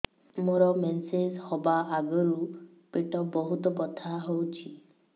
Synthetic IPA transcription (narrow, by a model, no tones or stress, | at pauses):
moɾɔmenseshɔbaaɡɔɾu | peʈɔbɔɦut̪ɔpɔt̪ʰaɦowt͡ʃʰi